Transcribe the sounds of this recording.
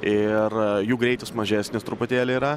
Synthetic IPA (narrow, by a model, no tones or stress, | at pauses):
ɪrjuːɡɾʲɛɪt̪ʲɪsmɐʒʲæːsʲnʲɪst̪ɾʊpʊt̪ʲeːlʲɪiɾɐ